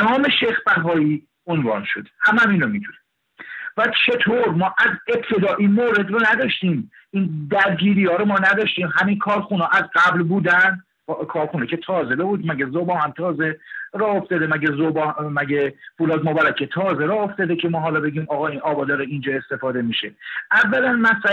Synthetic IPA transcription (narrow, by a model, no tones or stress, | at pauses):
nɒːme̞ʃexbæɦɒːiː | onvɒ̰ːnʃod̪e̥hæmæminomid̪une | væt͡ʃʰe̞t̪ʰoɾmɒːʔæze̞b̚t̪ʰe̞d̪ɒːʔinmoːɾe̞d̪ronæd̪ɒːʃt̪iːm | iːnd̪æɾɟiːɾiːɒːɾomɒːnæd̪ɒːʃt̪iːmɦæminkʰɒːɾxunɒːʔæzɡæblbuːd̪ænd̪ | bkʰɒːɾxunecʰe̞t̪ʰɒːzed̪ebuːd̪mæɡezobɒːhæmt̪ʰɒːzeɾɒːoft̪ɒd̪emæɡezobɒmæɟefuːlɒːd̪mobæɾæcʰet̪ʰɒːzeɾɒːoft̪ɒd̪ecʰemɒːɦɒːlɒbe̞ɟiːmɒːɣɒːinʔɒːbɒd̪ɒːɾeind͡ʒɒːe̞st̪e̞fɒːd̪e̞miʃeævːælænmæsæ